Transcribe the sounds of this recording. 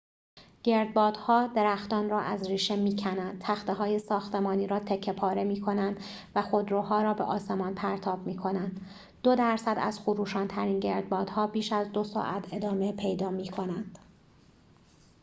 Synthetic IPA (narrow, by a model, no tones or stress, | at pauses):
ɡ̥e̞ɾd̪̚bɒːd̪̥hɒːd̪e̞ɾæxt̪ɒːnrɒːʔæzriːʃemiːcʰænænd̪̥̚t̪ʰæxt̪eɦɒːje̞sɒːxt̪e̞mɒːniːɾɒːt̪ʰe̞cʰːe̞pʰɒːɾe̞miːkʰo̞nænd̪ | væxod̪ɾoːɦɒːɾɒːbeʔɒːse̞mɒnpʰæɾt̪ʰɒːb̥miːkʰo̞nænd̪ | d̪od̪æɾsæd̪æ̰zxoɾuːʃɒːnt̪ʰæɾiːnɟe̞ɾd̪̚bɒːd̪̥hɒːbiːʃæzd̪osɒ̰ːʔæt̪ʰe̞d̪ɒːme̞pʰe̞jd̪ɒːmiːkʰo̞nænd̪̥